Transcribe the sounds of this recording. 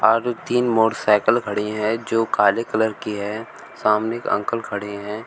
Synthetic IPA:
ɔːɾt̪iːnmoːɾsaːɪkəlkʰɐɽiẽɦɛ̃d͡ʒoːkaːlekələɾkiɦɛː | saːmnɪkə̰̃ŋkəlkʰɐɽiẽɦɛ̃ː

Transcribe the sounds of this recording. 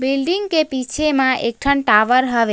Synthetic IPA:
bilɖiŋɡkepit͡ʃʰemãʔek̚ʈʰəɳʈaʋəɾɦəʋe

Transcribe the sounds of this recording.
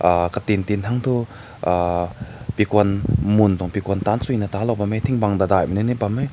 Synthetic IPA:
akat̪int̪intʰaŋt̪ʰu | pikɔnmund̪ɔŋpikɔnt̪ant͡sujnat̪alɔwbamejt̪ʰiŋbaŋd̪ad̪ajmininibamej

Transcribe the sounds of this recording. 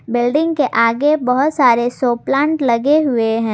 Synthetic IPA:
bɪlɖɪ̃ŋɡkeʔaːɡebɐɦʊt̪saːɾesoːplãːɳʈlɐɡeɦʊeɦɛ̃ː

